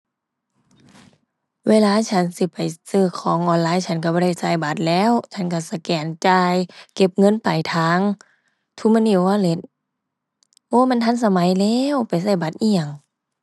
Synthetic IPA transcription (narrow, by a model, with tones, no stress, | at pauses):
weː˧˥˨laː˧˥˨t͡ɕʰa˧˥˨nsi˧˦pa˨˩jsɯː˧˩kʰɔː˨˦ŋʔɔː˧˩nlaː˧˥˨jt͡ɕʰa˧˥˩nka˧˩bɔː˧˥˩a˧˩jsa˧˩jba˧˦t̪̚lɛː˧˥˨wt͡ɕʰa˧˥˨nka˧˩sa˧kɛː˨˩nt͡ɕaː˧jke˧p̚ŋɤ˧˥˨npa˨jt̪ʰaː˧˦ŋ | t̪ʰu˧˥˨ma˧˥˨nʔi˧˩˨waː˧˥˨le˧˦t̪̚ | ʔoː˧˦˨ma˧˥˨nt̪ʰa˧˥˨ns̬a˧ma˨˦jlɛː˧˨wpa˨jsa˧˩jba˨˧˦t̪̚ʔi˧˩əŋ